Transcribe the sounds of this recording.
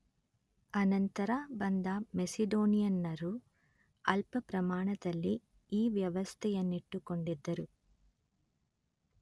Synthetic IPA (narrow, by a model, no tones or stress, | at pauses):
ɐnɐnt̪ɐɾaːbɐnd̪amesid̪oːnijɐnːɐɾu | ɐlpɐpɾɐmaːɳɐd̪ɐlːi | iːʋjɐʋɐst̪ʰɛjɐnːiʈːuko̞ɳɖid̪ːɐɾu